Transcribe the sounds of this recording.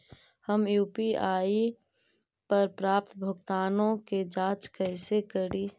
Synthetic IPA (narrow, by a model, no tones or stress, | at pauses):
həmjuːpiaːi | pəɾpɾaːp̚t̪bʱʊɡt̪aːnõked͡ʒãːt͡ʃkəɪsekəɽiː